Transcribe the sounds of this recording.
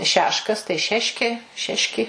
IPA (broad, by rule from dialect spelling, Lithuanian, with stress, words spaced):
ˈʃʲæːʃkɐs tɐɪ ˈʃʲæːʃʲkʲeː ˈʃʲæːʃʲkʲɪ